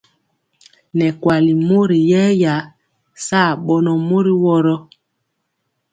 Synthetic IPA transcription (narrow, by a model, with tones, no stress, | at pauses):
nɛ˨kwa˨li˨mo˦ɾi˨jɛ˦ja˨˦ | saː˦˨ɓɔ˦nɔ˨mo˦ɾi˦wɔ˦ɾɔ˦